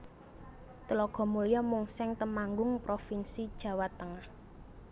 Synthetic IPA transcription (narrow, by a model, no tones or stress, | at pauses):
t̪əlɔɡ̥ɔ̤mulijamuŋsɛŋt̪əmaŋɡʊŋpɾofinsid̥ʒ̥ä̤wat̪əŋəh